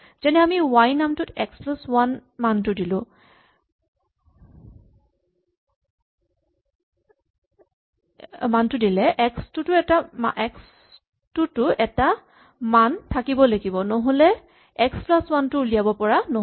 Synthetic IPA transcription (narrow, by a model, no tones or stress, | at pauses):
z̥ɛnɛamiwajnamtʊtɛksplaswanmantʊdilʊ̃ | mantʊdilɛʔɛkstʊtʊɛtamaʔɛks | tʊtʊɛta | mantʰakibɔlaɡibɔnɔɦolɛ | ɛksplaswantʊlijabɔpɔɹano